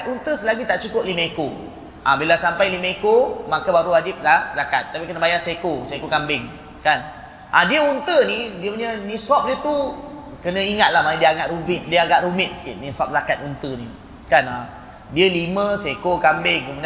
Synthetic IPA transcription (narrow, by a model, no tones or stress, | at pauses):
t̪unt̪əsəlaɡit̪aʔt͡ʃukʊp̚limə̃eko | ʔãbilasampajlimə̃ekomakabaɾuad͡ʒɪp̚zazaka̰t̪ːapikənəbajasekosekokambɪŋ | kan | ʔadiəunt̪ənidiəpənənisɔp̚diət̪u | kənə̃iŋat̪̚lahmadiəaŋaʔ̪rubɪt̪̚diəaɡaʔ̪ɾumɪt̪̚sə̥kɪt̪̚nisɔp̚zakat̪̚unt̪əni | kana | diəlimə̃sekokambɪŋkəmud